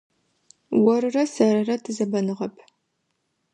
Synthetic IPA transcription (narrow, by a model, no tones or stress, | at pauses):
wɔɾɨrɐsɐɾɐrɐtʰɨzɐbɐnɨʁɐpʰ